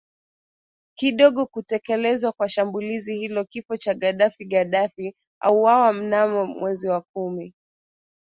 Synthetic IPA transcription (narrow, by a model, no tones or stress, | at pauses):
kiɗɔɠɔkutɛkɛlɛzwakwaʃambulizihilɔkifɔt͡ʃaɠaɗafiɠaɗafi | a̰uwawam̩namɔmwʔɛziwakumi